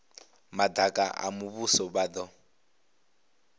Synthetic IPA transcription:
madʱakʼa̰ʔa̰muβusɔβad̪ɔ

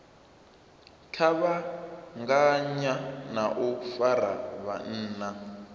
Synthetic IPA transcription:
t͡ɬʰaβaŋɡaɲanaʔufaɾaβa̰n̩ːna

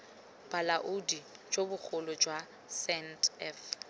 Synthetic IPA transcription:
b̥alaʔʊdid͡ʒobʊk͡xʰʊlɔd͡ʒwa | sɛntɛf

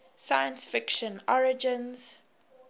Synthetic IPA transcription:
sajə̃nsfɪkʃə̃nɔɹɪd͡ʒɪ̃nz̥

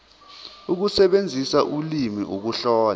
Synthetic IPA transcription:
uk̬usɛɓend͡zʱisaʔulimiʔuk̬uɬɔːl

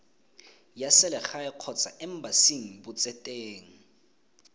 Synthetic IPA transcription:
jasɛlɛxajɛq͡χʰɔt͡sʰʼa̰ʔɛm̩basiŋ̩bʊt͡sʼɛtʼeːŋ̩

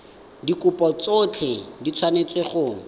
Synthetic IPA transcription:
dikʼʊpʼɔt͡sot͡ɬʰɪdit͡sʰwanet͡sʼweχʊ

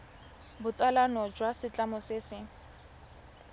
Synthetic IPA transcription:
bʊt͡sʼalanɔd͡ʒwasɪt͡ɬʼamɔsɪsɪ

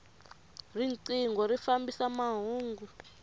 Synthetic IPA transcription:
rint͡siŋɡɔɾifambisamaɦuːŋɡu

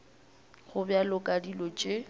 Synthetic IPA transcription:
ɣʊbjalʊkʼadilɔt͡ʃʼe

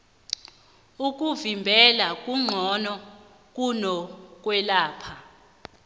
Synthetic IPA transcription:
uk̬ʼuvimbʱɛlak̬ʼuŋ͡ǃʱɔnɔ | k̬ʼunɔk̬ʼwɛlaːpʰa

